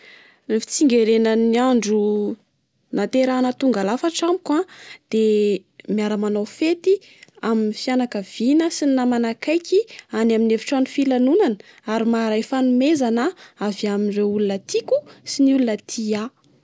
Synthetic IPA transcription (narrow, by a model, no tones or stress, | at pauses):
nifi̥t͡siŋɡeɾenəniaɳɖ͡ʐu | nat̪eɾanət̪uŋɡalafaʈ͡ʂamikwad̪̥emijaɾamanawfet̪i | aminifjanakəv̥inəsininamanakajkʲianamineviʈ͡ʂanifilanunan | aɾimaɾajfanumezanəaviaminreulunət̪ʰikusiniulunət̪ʰia